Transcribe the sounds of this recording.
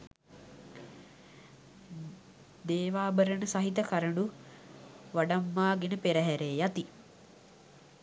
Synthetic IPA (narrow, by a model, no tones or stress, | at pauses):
d̪eːʋaːbəɾənəsaɦit̪ɐkaɾəɳɖu | ʋaɖamːaːɡenəpeɾəɦæɾeːjat̪i